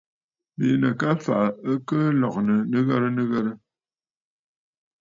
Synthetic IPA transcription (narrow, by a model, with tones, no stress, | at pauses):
be˨˦nə˨ka˦fa˨ʔə˦kə˦lɔ˨k̚nə˨nə˦ɣə˦ɾə˦nə˦ɣə˦ɾə˦